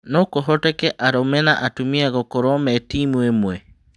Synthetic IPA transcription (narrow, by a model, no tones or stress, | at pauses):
nokoɦotekɛʔaɾomɛnaʔatumiaɣokoɾɔmɛtimwemwɛ